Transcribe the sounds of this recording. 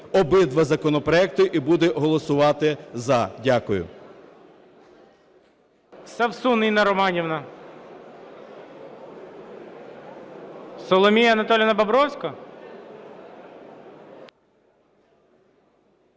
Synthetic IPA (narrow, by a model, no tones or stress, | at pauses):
ɔbɪd̪ʋɐzɐkɔnɔpɾɔɛk̚t̪ʊʔibud̪ɛɦɔlˠɔsʊʋɑt̪ɪzɐdʲakʊjʊ̰ | sɐwsunɪjnɐɾɔmɑnʲiwnɐ | sɔlˠɔmʲijɐɐnɐt̪ɔlʲjɐnɐbɐbɾɔwsʲkɐ